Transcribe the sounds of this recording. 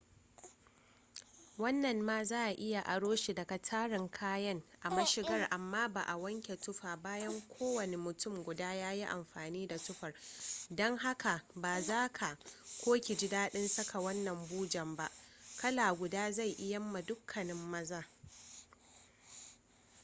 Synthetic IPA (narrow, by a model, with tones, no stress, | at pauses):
wɐ˦nːɐ˨nːaː˦zaː˦ʔa˨ʔɪ˦ja˨ʔa˨ɽoː˦ʃi˨dɐ˨ka˨tʰaː˦ɽɪ˨ŋkʰaː˦jɐ˦ŋʔa˨mɐ˦ʃɪ˦ɡɐ˦rʔa˨mːaː˦ba̰ː˨ʔa˨wɐ˦ŋkʲe˨tʊ˦ɸaː˨baː˦jɐ˦ŋkʷʰoː˦wɐ˨ne˨mʊ˨tʊ˦˨mɡʷʊ˨daː˦jaː˦ji˦ʔa̰˨mɸaː˨niː˦da˨tʊ˦ɸɐ˨rdɔ˦ŋɦa˦ka˨baː˨zaː˦kʰa˨kʷoː˦kʲi˨d͡ʒɪ˦daː˦ɗɪ˦nsɐ˦kʰa˨wɐ˦nːɐ˨mbuː˦d͡ʒɐ˨mba˦ʔkʰɐ˦laː˨ɡʷʊ˨daː˦za˦˨jʔɪ˦jɐ˦mːa˨dʊ˦kʰːɐ˨nɪ˦mːɐ˦zaː˦